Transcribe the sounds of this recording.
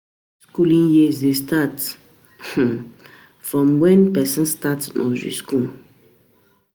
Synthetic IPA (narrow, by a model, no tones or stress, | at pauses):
skulĩŋjizdestat | h̩ | fɹɔ̃mwɛ̃npɛsə̃nstatnʔɔ̰zḭskul